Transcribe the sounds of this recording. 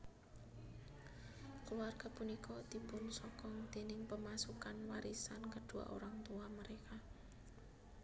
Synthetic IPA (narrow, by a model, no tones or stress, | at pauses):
kluarɡ̥a̤punikɔd̪̥i̤pʊnsɔkɔŋd̪̥e̤nɪŋpəmasukanwaɾisankəɖ̥ṳa̰ʔo̰ɾaŋt̪uaməɾeka